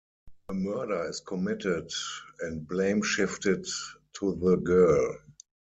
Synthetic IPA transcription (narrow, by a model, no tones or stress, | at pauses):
əmɜ˞də˞ɪskʰɔmɪtɪdɛ̃nt̚blẽɪ̃mʃɪftɪttʰuðəɡɜ˞l